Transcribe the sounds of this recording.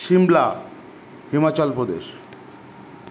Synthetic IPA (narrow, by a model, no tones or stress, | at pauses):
ʃimla | himat͡ɕɔlpɾod̪ḛʃ